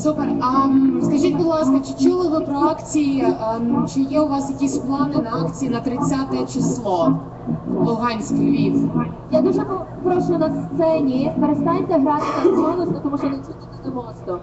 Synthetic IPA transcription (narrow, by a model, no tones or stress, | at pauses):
superɐskɐʒit̪ʲbud̪lˠɑskɐt͡ʃɪt͡ʃulˠɪʋɪpɾɔɑkt͡sʲijit͡ʃɪjɛʊʋɑsjɐkʲisʲplˠɑnɪnɐɑkt͡sʲijinɐt̪ɾɪt͡sʲat̪ɛt͡ʃɪslˠɔ | ɔlˠɦɑnʲsʲkɪjɾʲiʋjad̪uʒɛpɔpɾɔʃʊnɐst̪sɛnʲipeɾest̪ɑnʲt̪ʲɛɦɾɑt̪ɪt̪ɐnsɔnʊsnɐt̪ɔmuʃɔnɪsʲut̪d̪ɪd̪ɪmɔst̪ɔ